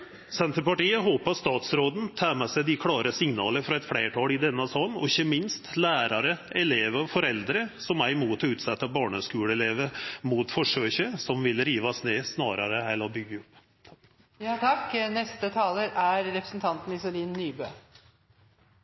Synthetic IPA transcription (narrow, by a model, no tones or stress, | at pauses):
sɛnt̪əɾpɑʈiːəɦoːpɑst̪ɑːt̪sɾoːd̪n̩t̪ʰæːmɛsæɪd̪ɪkʰlɑːɾəsɪŋnɑ̰ːləɾfɾɑɛt̪fɽeːʈʰɑːlɪd̪ɛnːəsɑːnːɔ̰ɪçəmɪnst̪læːɾɑɾəɛleːʋəɔfɔɾɛld̪ɾəsɔmæɾɪmuːt̪ʰɔʉːt̪sɛt̪ːɑbɑːɳəskʉːləɛleːʋəmuːt̪fɔʂøːçəsɔmʋɪlɾiːʋɑsneːsnɑːɾɑɾəhæɪlːɔbʏɡːəʊpː | t̪ʰɑknɛst̪ət̪ʰɑːləɾæɾɾɛpɾə̥sn̩t̪ʰɑnt̪n̩ɪsʊliːnːyːbøː